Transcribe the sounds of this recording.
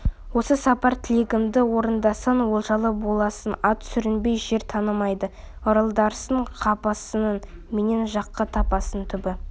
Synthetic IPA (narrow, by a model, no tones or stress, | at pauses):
wo̞səsɑpɑɾt̪ʰɪlʲeɡʲɪmd̪ɪwo̞ɾənd̪ɑsɑnwo̞lˠʒɑlˠəbo̞lˠɑsənɑt̪ʰʏ̥sʏɾɪnbe̞jʒe̞ɾt̪ʰɑnəmɑjd̪ə | əɾəlˠd̪ɑɾsəɴqʰɑpɑsənənmene̞nʒɑqːɑt̪ʰɑpɑsənt̪ʰʏbɪ